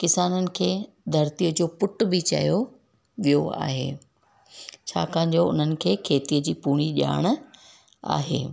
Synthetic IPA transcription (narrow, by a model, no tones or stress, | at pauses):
kɪsaːnənɪ̆kʰeː | d̪ʱɐɾt̪ijəd͡ʑoːpʊʈ̆bɪt͡ɕɐ̰jo | ʋijoa̰ːɦḛː | t͡ɕʰa̰ːkãːɪ̃ɲ̆d͡ʑoʊ̰n̤ənɪ̆kʰeːkʰeːt̪iːəd͡ʑiːpuːɽ̃iʄa̰ːɽ̃ | a̰ːɦḛː